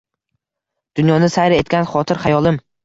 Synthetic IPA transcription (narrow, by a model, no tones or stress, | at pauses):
d̪̥ʊnjɒnɪsajɾɪe̞t̪̚kʲanχɒt̪ʰɪɾχajɒlˠɪm